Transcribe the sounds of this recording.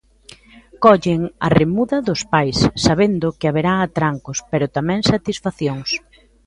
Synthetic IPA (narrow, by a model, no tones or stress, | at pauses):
kɔʎɪŋa̰remuðɐðʊspajsːaβend̪ʊkɪaβeɾaːt̪ɾaŋkʊspɛɾʊt̪amɛŋsat̪isfaθjoŋs